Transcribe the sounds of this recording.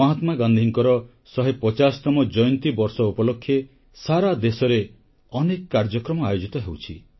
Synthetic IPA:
ɔɦat̪maɡand̪ʱiŋkɔɾɔ | sɔɦepɔt͡ʃasɔ̥t̪ɔmɔd͡ʒɔjnt̪ibɔɾsɔupɔlokʰːje | saɾad̪esɔɾe | ɔnekkːaɾd͡ʒɔkɾɔmɔajod͡ʒit̪ɔɦewt͡ʃʰḭ

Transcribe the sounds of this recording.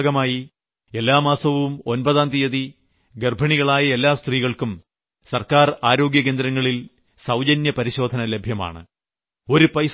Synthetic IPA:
ɣɐmaːji | e̞lːaːmaːsɐʋumo̞nbɐðaːnd̪ijɐði | ɡerbʱɐɳiɣɐɭaːjɐe̞lːaːst̪riːɣɐɭkum | sɐrkaːraːɾo̞ːɡjɐkeːnd̪ɾɐŋːɐɭil | sɐwd͡ʑɐnjɐpɐɾiɕo̞ːd̪ʱɐnɐle̞bʱjɐma̰ːɳɨ̰ | o̞ɾupɐjs

